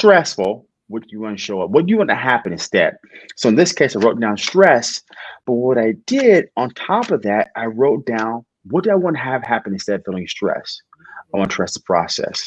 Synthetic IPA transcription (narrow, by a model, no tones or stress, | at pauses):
stɹ̥ɛsfl̩ˠ | wʌd̥ɨjɨwɑ̃nɨʃoʊʌwʌt̚d̥ɨjɨwɑ̃ntɨɦæpɨ̃nɨ̃nstɛ̰d̥̚soʊɨ̃nðɪskʰeɪsaɪɹoʊt̚d̥ãʊ̃nstɹ̥ɛsb̥ʌt̚wʌɾaɪd̥ɪɾə̃ntʰɑpʌvðæɾ̚aɪɹoʊt̚d̥ãʊ̃n | wʌt̚d̥ɨaɪwɑ̃nɨəv̥hæpɨ̃nɨ̃n̩stɛɾʌv̥fɪlˠɪ̃ŋstɹ̥ɛ̰s | ə̃ntʰɹ̥ɛsə̥pʰɹ̥ɑ̰sɛ̰s